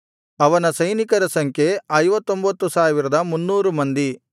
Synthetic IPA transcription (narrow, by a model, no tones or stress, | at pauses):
ɐʋɐnɐsɐjnikɐɾɐsɐŋkʰeɐjʋɐt̪ːo̞mbɐt̪ːusaːʋiɾɐd̪ɐmunːuːɾumɐnd̪i